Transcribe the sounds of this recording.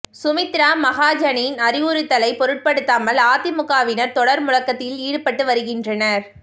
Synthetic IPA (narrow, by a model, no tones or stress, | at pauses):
sʊmɪt̪ɪɾaːmɐɣaːd͡ʒɐɳinɐɾɪjuːɾɯt̪ːɐlɐɪpɔɾɯʈ̚pɐɽɯt̪ːaːmɐlaːt̪ɪmʊkaːʋɪnɐɾt̪ɔɽɐɾmʊlɐkːɐt̪ːɪliːɽɯpɐʈːɯʋɐɾɯɣɪndrɐnɐɾ